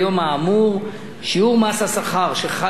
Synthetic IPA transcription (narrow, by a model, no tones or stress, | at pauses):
jo̞maːmuʁ | ʃiuʁmasasaχaʁʃeχa